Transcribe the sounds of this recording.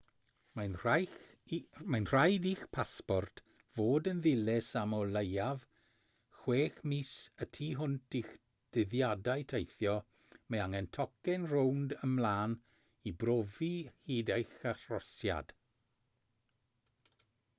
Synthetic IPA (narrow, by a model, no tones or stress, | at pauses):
manaj | majnr̥ajdiːxpʰaspɔrtʰ | v̥oːdənðɪlɛsamɔlejav | xweːxmisətʰiːɦʊntʰix | d̥ɪðjadajtʰejθjɔ | meaŋɛntʰɔkɛnrowndəmlaːn | ibrovihiːdejxarrɔsja̰d̥